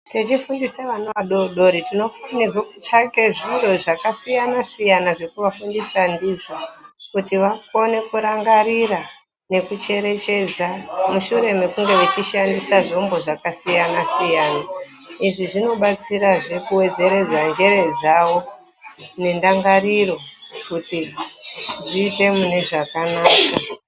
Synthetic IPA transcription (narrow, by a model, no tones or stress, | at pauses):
tet͡ʃifundisaʋanoʋaɗoɗo̞ɾitino̞funiʐot͡ʃake̞ʐiro̞ʐakasijanasijanaʐe̞kuʋafundisandiʐokutiʋakone̞kuɾaŋɡaɾira | ne̞kut͡ʃe̞ɾe̞t͡ʃe̞d͡zamuʃuɾe̞me̞kuŋɡe̞ʋet͡ʃiʃandisaʐombo̞ʐakasijanasijaːna | iʐiʐino̞ɓat͡siɾaʐe̞kuwe̞d͡ze̞ɾe̞d͡zand͡ʒe̞ɾe̞d͡zaʋo̞ | ne̞ndaŋɡaɾiro̞kuti | d͡ziːte̞mune̞ʐakanaːka